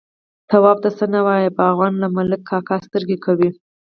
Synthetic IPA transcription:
t̪awɑb̚t̪asənawɑjebəavɣɑnlamaləkʰːɑkast̪əɾɡekʰawi

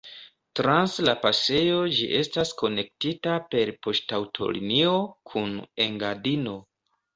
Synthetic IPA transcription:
tɾanslapase̞jo̞d͡ʒḭʔe̞stasko̞ne̞k̚titape̞ɾpo̞ʃtawtʰo̞̰lḭnio̞kʰune̞ŋɡadino̞

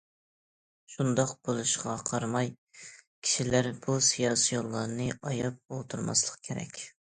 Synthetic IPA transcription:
ʃund̪ɑqb̥olˠuʃʁɑqʰɑɾmɑj | kʲʰi̥ʃilæɾb̥usijɑːsijolˠːɑɾnɨʔɑjɑp̚olˠt̪ʰuɾmɑ̰slˠəq̚kʲʰeɾɛ̰kʲ

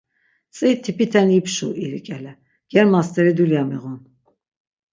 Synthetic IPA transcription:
t͡sʼit̪ʰipʰit̪ʰɛnipʰʃṵiɾikʼɛlɛ | ɡ̥ɛɾmast̪ʰʼɛɾid̪uljamḭʁun

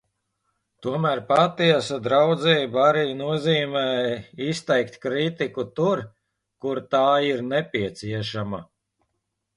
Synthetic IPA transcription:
t̪uɔmæːɾpat̪iɛsad̪ɾawd̪zɛːbaɾiːnuɔziːmɛːist̪ɛjkt̪kɾit̪ikut̪uɾ | kuɾt̪aːiɾnɛpʲiɛt̪siɛʃama

